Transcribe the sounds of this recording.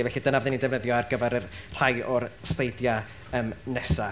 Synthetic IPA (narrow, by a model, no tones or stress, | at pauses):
vɛɬidənavɪnindɛvnəðjɔarɡəvɛɾərr̥ajʔɔrstejdja | əmnɛsa